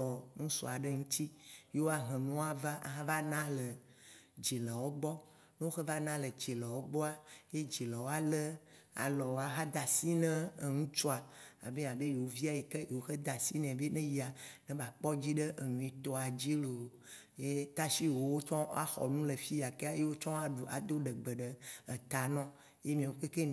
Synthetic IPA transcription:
ɔ˨ŋũ˦sɔ̰˨a˨ɖe˦ŋũ˦t̪i˦je˦wo˦a˦ɦɛ̃˨nũ˦a˨va˦ʔa̰˨ɦã˦va˦nã˦lə˨ | d͡ʒi˨lə˨wo˦ɡ͡bɔ˦ | ne˦o˦xe˦va˦nã˦lə˨d͡ʒi˨lə˨wo˦ɡ͡bɔ˦a˦je˦d͡ʒi˨lɛ˨wo˦a˦le˦a̰˨lɔ˨wo˨a˨ɦã˦d̪a˨si˦nɛ̃˦˨ŋũ˦t͡ʃo˦a˨a̰˨be˦ã˨be˦je˨wo˦vi˦a˨je˨ke˦je˨wo˦xe˦d̪a˨si˦nɛ̃˨be˦nẽ˦ji˦a˨nɛ̃˦ba˨k͡pɔ˦d͡ʑi˦ɖe˦ʔe˨nũ˨i˨t̪ɔ˦a˨d͡ʑi˦lo˨ | je˦t̪a˦ʃi˦wo˦wo˦t͡ʃɔ̃˦a˦xɔ̰˨nũ˦le˨fi˦ja˨ke˦a˦je˦wo˦t͡ʃɔ̃˦a˦ɖu˨ʔa˨d̪o˦ɖə˨ɡ͡bə˨ɖə˨ə˨t̪a˨nɔ̃˦ | je˦mĩ˨wo˦ke˦ke˦

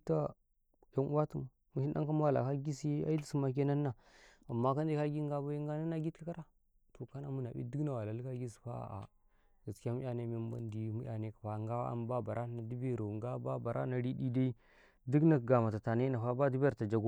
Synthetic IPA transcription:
ta˦ | ja˦n˦a˦tu˦˨m˨ | mu˨˦ʃi˦ɗa˦ŋka˦m˦a˦˨la̰˨ka˦ɡi˦sa̰˦i˦di˦si˦ma˨k̬e˦na˦nːa˨ | a˨mːa˦ka˦nde˦ka˦ɡi˦ŋɡa˦ba˦ji˦ŋɡa˦na˦nːa˦ɡi˦tka˦ɾa˦ | to˨ka˦na˨mu˦na˨bḭ˦di˦kna˨wa˨la˨lka˦ɡʲi˦s̬pa˦a̰˨ʔa̰˨ | ɡ̥a˨ski˦a˦mu˦a˨ne˦me˨m˦ba̰˦ndi˨˦mu˦jʲa˨ne˨kpa˨˦ŋɡa˦a˦a̰˦mba˦ba˨ɾʔa˦na˨di˦be˦˨ɾo˨ŋɡa˦ba˦ba˨ɾʔa̰˦na˨ɾi˦di˦da˦i˦ | di˦kna˨ɡa˨ma˨ta˨ta˨na˦na˨fa˦ba˦di˦ba˨ɾta˨d͡ʒa˨ɡo˦

